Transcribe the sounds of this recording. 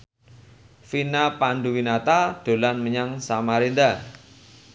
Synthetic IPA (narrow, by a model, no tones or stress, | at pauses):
finapanɖuwinat̪ad̪̥o̤lanməɲaŋsamaɾind̪a